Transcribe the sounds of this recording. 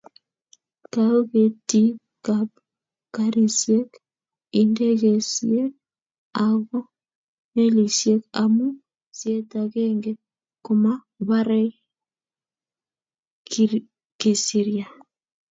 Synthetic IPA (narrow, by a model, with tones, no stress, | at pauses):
kao˦ke˨ti˦ | ka˨p̚ | ka˦ɾi˨sje˦k | i˨nde˦ɣe˨sḭe˦ | a˨ɣɔ˦ | ne˦li˨sje˦ka˨mu˦ | sje˦ta˨ɣe˦ŋɡe˦ | kʊ˨ma˦ | βa˦ɾɛ˦j | ki˨si˨ɾja˨